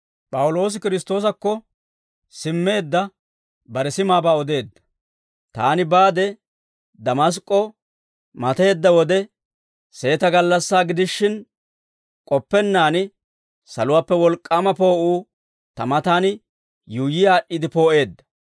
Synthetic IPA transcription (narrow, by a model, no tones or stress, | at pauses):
pʼɐwʊlo̞ːs̬ɪkɪɾɪst̪o̞ːs̬ɐkːɔ | sɪmːe̞ːd̪ːɐ | bɐɾɛsɪmaːbaːɔd̪e̞ːd̪ːɐ̥ | t̪aːnɪbaːd̪ɛ | d̪ɐmɐs̬kʼːɔ | mɐt̪e̞ːd̪ːɐwɔd̪ɛ | se̞ːt̪ɐɡɐlːɐsːaːɡɪd̪ɪʃːɪn | kʼɔpːɛnːaːnɪ | sɐlʊwaːpːɛwɔlkʼːaːmɐpo̞ːʔuː | t̪ɐmɐt̪aːn | jujɪjaːʔɪd̪ɪpoːʔe̞ːd̪ːɐ̥